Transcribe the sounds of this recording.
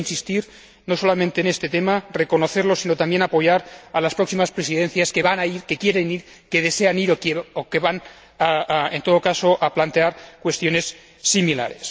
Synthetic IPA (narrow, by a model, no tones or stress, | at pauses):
insist̪iɾ | nosolamẽnt̪eːnest̪et̪emarekonoθeɾlosinot̪ambje̞napo̞jaɾalaspɾoksimaspɾesiðenθjaskeβanaiɾkekjeɾeniɾ | keð̞eseaniɾokokeβan | aent̪oð̞okasoʔaplant̪e̞aɾkwe̞st̪jo̞nesː | imila̰ɾes